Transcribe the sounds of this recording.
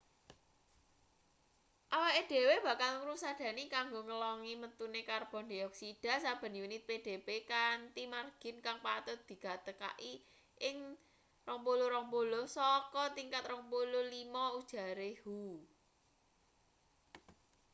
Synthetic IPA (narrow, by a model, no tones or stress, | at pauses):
ʔawaʔeɖ̪̥e̤web̥ä̤kalŋɾusad̪̥ä̤nikaŋɡoŋəlɔŋimət̪unekarb̥ɔ̤nd̪iɔksid̥a̤sab̥ə̤njunɪt̪̚ped̥e̤pekant̪imarɡ̥ɪ̤nkaŋpat̪ʊt̪̚d̪̥i̤ka̤t̪əka̰ʔi | ʔɪŋ | rɔŋpoloɾɔŋpolosɔkɔt̪iŋkat̪rɔŋpololimɔud̥ʒ̥a̤ɾehu